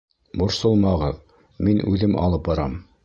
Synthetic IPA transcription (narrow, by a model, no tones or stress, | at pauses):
bŏɾsɤlˠmɑʁɤð | minʉðɘmʔɑ̰lˠɤp̚bɑɾɑm